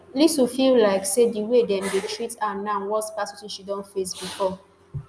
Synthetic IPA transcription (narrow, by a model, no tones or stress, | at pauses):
lisufillaɪksediwedɛ̃mdetʰɹitanãnwɔtspasɔsĩnʃidɔ̃nfesbifɔ